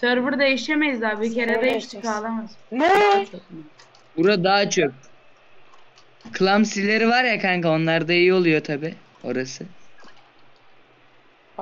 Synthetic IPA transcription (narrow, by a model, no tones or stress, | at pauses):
søɾvɯɾd̪ejiʃemejizd̪aːbyceɾad̪ait͡ʃt̪ʰi̥kalˠamazt͡ʃʰok | buɾad̪aːat͡ʃʰok̚ | kʰɯlˠamsilʲe̞ɾivaɾjakʰaŋkio̞nlˠaɾd̪aijio̞lˠujo̞t̪ʰabi | o̞̰ɾasɯ